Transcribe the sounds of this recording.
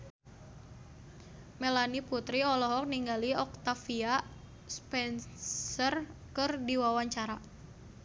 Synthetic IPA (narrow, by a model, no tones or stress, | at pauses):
melaniput̪ɾiɔlɔɦɔk̚niŋɡaliɔk̚t̪afia | spɛnsərkɨrdiwawaɲt͡ʃaɾa